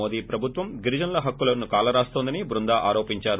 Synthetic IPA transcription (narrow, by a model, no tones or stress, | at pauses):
oːd̪iːpɾɐbʱut̪ʋɐmɡiɾid͡ʒɐnlɐɦɐkːulɐnukaːlɐɾaːst̪ond̪ɐnibɾund̪aːʔaːɾo̞ːpiɲt͡ʃaːɾu